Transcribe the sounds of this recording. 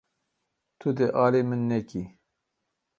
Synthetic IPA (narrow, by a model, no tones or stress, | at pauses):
t̪ʰud̪eʔɑːleːmɨnːɛki